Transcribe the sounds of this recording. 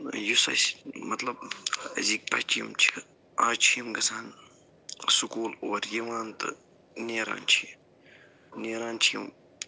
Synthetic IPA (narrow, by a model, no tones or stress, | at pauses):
jusɐ̰smɐt̪lɐb̚zik̚pɐt͡ʃijimt͡ʃʰi̥ | aːt͡ʃʰijɐmɡɐsaːn | sukuːloːɐɾjɐʋaːnt̪ɨ̰ | neːɾa̰ːnt͡ʃʰi | neːɾaːnt͡ʃʰijḭm